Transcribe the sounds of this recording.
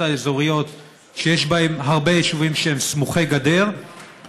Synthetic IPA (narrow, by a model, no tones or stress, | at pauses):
aezo̞ʁijo̞t̪ | ʃejeʃbae̞mɦaʁbe̞jeʃuvimʃeemsmuχeɡade̞ʁ